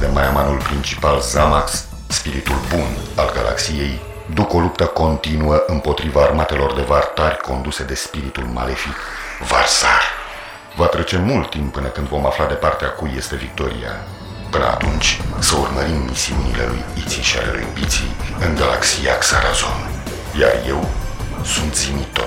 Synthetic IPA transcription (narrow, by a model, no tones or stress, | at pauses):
d̪emajamanulpɾint͡ʃi̥palzamaks | spiɾit̪ulbunalɡalʔa̰ksije̞j | d̪uko̞lupt̪əko̞nt̪inuəʔɨmpo̞t̪ɾivaːrmat̪e̞lo̞rd̪e̞vart̪arʲko̞nd̪use̞d̪e̞spiɾit̪ulma̰le̞fik | varsar | vat̪ɾe̞t͡ʃe̞mult̪ːimppːɨnəkɨnd̪vo̞maflad̪e̞part̪eakuje̞st̪e̞vik̚t̪o̞ɾḭja̰ | pɨnə̰a̰t̪unt͡ʃʲsəurməɾimːisiunile̞̰lṵjit̪siʃia̰le̞̰lṵjbit̪sḭɨŋɡala̰ksijaksaɾazo̞̰n | ja̰rje̞wsunt̪zimit̪o